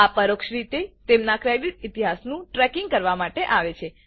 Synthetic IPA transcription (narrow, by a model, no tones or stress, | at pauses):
apəɾokʃɾit̪et̪emnakɾejɖitit̪iɦasnũʈɾɛkiŋɡkəɾʋamaʈeʔaʋet͡ʃʰe